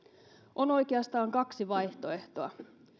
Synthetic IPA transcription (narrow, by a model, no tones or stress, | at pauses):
ʔo̞no̞jkeɑst̪ɑːŋkɑksiʋɑjht̪o̞e̞ht̪oɑ̰